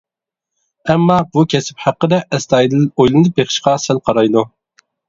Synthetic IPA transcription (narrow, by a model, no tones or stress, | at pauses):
ɛmːɑbukʲʰɛsɪ̥phæqːəd̪ɛʔɛst̪ɑːjid̪ɨlojlˠɨnɨbeχɪ̥ʃqɑsælqʰɑɾɑjd̪u